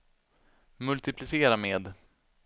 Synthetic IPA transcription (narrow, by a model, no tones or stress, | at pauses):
mɵlt̪ɪpʰlɪseːɾameːd̪